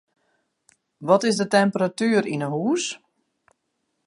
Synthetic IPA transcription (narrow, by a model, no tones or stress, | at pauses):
ʋɔtɪsdətɛmpəratyːəɾinəɦuːs